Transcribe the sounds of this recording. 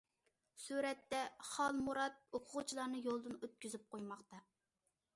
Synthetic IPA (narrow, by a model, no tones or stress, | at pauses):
suɾɛt̪ːɛχɑlˠmuɾɑt̪̚oqʰʊʁt͡ʃʰilˠɑɾnɨjolˠd̪ɨnøt̪̚kʲyzyp̚qʰojmɑχt̪ɑ